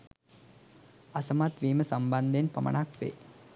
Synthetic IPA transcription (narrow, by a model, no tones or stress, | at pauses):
ɐsəmat̪ʋiːməsɐmband̪enpɐmə̰ɳakʋḛː